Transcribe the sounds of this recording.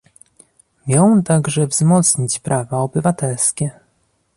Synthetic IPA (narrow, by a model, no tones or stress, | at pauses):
mʲjɔ̃wt̪aɡʐɛvzmɔt̪sɲit͡ɕpɾʔavaɔbɘvat̪ɛlskʲɛ